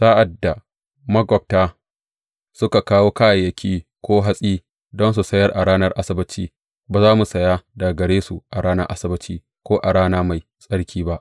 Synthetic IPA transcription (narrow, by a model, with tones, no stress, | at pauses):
saː˦ʔa˨dːa˨ | mɐ˦ɡɔ˨p̚taː˦ | sʊ˦ka˨kaː˦woː˦kaː˦ja˨jɐ˨kʲʰiː˦kʷoː˦ɦa˦sʼiː˦ | dɔ˦ns̬u˨sɐ˦jɐ˦rʔa̰˨ɽaː˦nɐ˦rʔa˦sɪ˦bɐ˦t͡ʃiː˦ | baː˨zaː˦mu˨sɐ˨ja˦daː˨ɡɐ˨ɽeː˦su˨ʔa˨ɽaː˦nɐ˦ʔa˦sɪ˦bɐ˨˦t͡ʃiː˦ | kʷoː˦ʔa˨ɽaː˦naː˦ma˨j | sʼɐ˦ɽkʲʰiː˦ba˦ʔ